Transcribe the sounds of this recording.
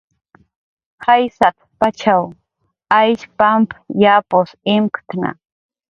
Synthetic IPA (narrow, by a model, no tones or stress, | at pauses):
hajsat̪pat͡ʃʰaw | ajʃpampjaposɪmkt̪na̰